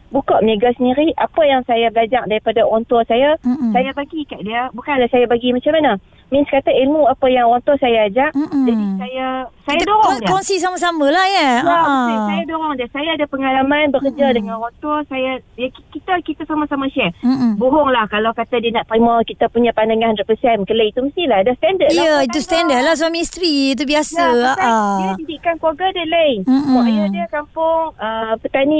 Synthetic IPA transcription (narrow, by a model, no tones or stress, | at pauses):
bukɔʔ̚meɡasəniɾiʔapajaŋsajabəlad͡ʒak̚daɾipadawɔnt̪ʊrsajasajabaɡikaʔdiəbukanlahsajabaɡimat͡ʃamana | minskat̪aʔilmuapəjaŋwɔnt̪ʊrsajaːd͡ʒaʔd͡ʒadisajasajadoɾɔŋdiəɔnsis̬amas̬aməlahjəaajsajadoɾɔŋdiəsajaːdapəŋalamãnbəkərd͡ʒadəŋanwɔnt̪ʊrsajajakikit̪akit̪asamasamaʃɛboɦɔŋlahkalawkat̪adiənaʔpɾimɔkit̪apuɲãpandaŋãndɾəpəsɛmkələit̪uməst̪ilaadast̪andəiait̪ust̪ɛndəlas̬uaminst̪ɾiit̪̬ubiasaːʔaəjadidikankuaɡadələiɔjadiəkampʊŋpət̪anĩ